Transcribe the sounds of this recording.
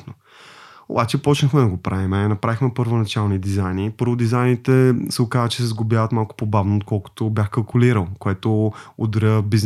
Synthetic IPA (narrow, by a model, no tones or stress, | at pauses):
no | o̰bat͡ʃɛpɔt͡ʃnəxmɛd̪ɐɡopɾavimɛnɐpɾavixmɛpəɾvonɐt͡ʃalˠnid̪izajnipɤɾvʊd̪izajnit̪ɛsɛokazət͡ʃɛ̥sɛzɡʊbjavət̪malˠkʊ̥pobavnoot̪̚kɔlˠkʊ̥t̪objaxkɐlˠkʊliɾəlˠkoɛt̪ood̪ɾəbiz